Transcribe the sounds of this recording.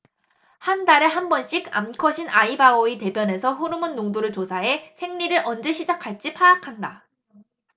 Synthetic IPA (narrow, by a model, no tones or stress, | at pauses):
handaɾe̞ɦambʌnɕ͈iɡa̰mkʰʌɕʰinʔaibaoite̞bjʌne̞sʰʌɸoɾɯmɯnːoŋdoɾɯɭt͡ɕosʰae̞sʰe̞ŋɲiɾɯɾʔʌnd͡ʑe̞ɕʰid͡ʑakʰaɭt͡ɕ͈ipʰaːkʰanda